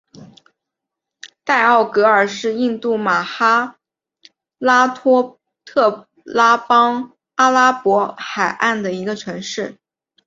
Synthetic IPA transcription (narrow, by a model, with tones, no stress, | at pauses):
t̪a˥˧ɪɑ˥˩ʊkɤ˧˥ə˞˨˩ʂɻ̩˥˧i˥˧nt̪u˥˩ma˨˩xa˥ | la˥t̪ʰɔ˥ | t̪ʰɤ˥˩ | la˥pɑ˥ŋ | a˥la˥pwɔ˧˥xa˨˩ɪʔa˥˩nd̪ə˩i˧˥ɡə˧ʈ͡ʂʰɤ˧˥ŋʂɻ̩˥˩